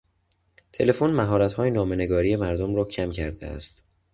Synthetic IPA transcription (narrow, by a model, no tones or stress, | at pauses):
t̪ʰe̞le̞fonmæɦɒːɾæt̪hɒːjenɒːme̞ne̞ɡɒːɾiːje̞mæɾd̪omɾɒːcʰæmcʰæɾd̪ḛæ̰st̪